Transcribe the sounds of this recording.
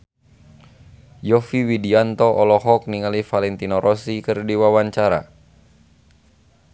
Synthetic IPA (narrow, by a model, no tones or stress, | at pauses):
jɔfiwidiant̪ɔʔɔlɔɦɔk̚niŋalifalɛnt̪inɔɾʔɔsikɨrdiwawaɲt͡ʃaɾa̰